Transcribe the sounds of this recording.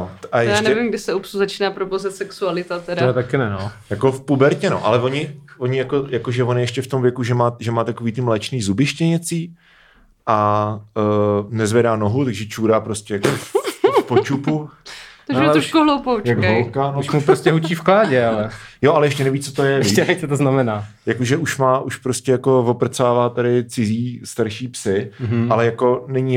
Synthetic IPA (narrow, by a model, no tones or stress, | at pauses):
oʔajɛjaʃːnɛvɪmɡdɪsɛupsuzat͡ʃiːnaːpɾobowzɪt̪sɛksualɪt̪at̪ɛdaɛt̪akɪnɛnojakofpubɛɾcɛno̰ʔa̰lɛvoɲɪvoɲɪjako̞jakoʒɛvonɪjɛʃcɛft̪o̞mvjɛkuʒɛmaːʒɛmaːt̪akoviːt̪ɪmlɛt͡ʃniːzubɪʃcɛɲɛt͡siː | ʔa | nɛzvjɛdaːnoɦut̪aɡʒɛt͡ʃuːɾaːpɾo̞scʲɛjakopot͡ʃupuat̪ɾoʃkuɦlowpowjaɡolkanomupɾoscɛɦut͡ʃiːfklaːɟɛalɛjoʔalɛjɛʃcɛnɛviːt͡sot̪ojɛɛɛt̪ot̪oznamɛnaːjakoʒɛuʃmaːʔuʃpɾoscʲɛjako̞vo̞pr̩t͡saːvaːt̪adɪt͡sɪziːst̪aɾʃiːpsɪalɛjako̞nɛɲi